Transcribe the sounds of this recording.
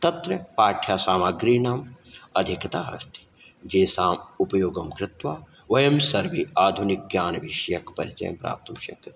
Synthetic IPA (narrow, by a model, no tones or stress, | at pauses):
t̪ɐt̪ɾɐpaːʈʰjaːsaːmaɡɾiːnaːmɐd̪ʱikɐt̪aːɦɐ̰st̪i̥ | d͡ʒeːsaːmupɐjoːɡɐmkɾɪt̪ʋaː | ʋɐjɐmsɐɾʋiaːd̪ʱunik̚ɡjaːnʋiʃɐjɐkpɐ̰ɾit͡ʃɐ̰jɐ̰mpɾa̰ːp̚t̪ɐmʃɐ̰kɐt̪